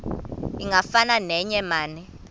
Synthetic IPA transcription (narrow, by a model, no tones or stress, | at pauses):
iŋɡafananɛɲɛmaːnɛ